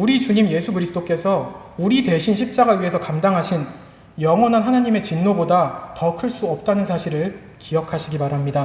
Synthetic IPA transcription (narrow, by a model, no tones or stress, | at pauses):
uɾit͡ɕuɲimje̞sʰukɯɾisʰɯ̥t͈ok͈e̞sʰʌ | uɾide̞ɕʰinɕ̬ʰip̚t͡ɕ͈aɡaɥiɦe̞sʰʌkamdaŋɦaɕʰin | jʌŋwʌnɦanɦanaɲime̞t͡ɕinnobodatʌkʰɯɭs͈uʌp̚t͈anɯnsʰaɕʰiɾɯɭ | kijʌkʰaɕʰiɡimaɾɦamɲida